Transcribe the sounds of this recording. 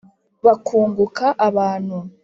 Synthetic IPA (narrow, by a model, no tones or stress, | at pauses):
βakʰuːŋɡukaʔaβaːn̥hu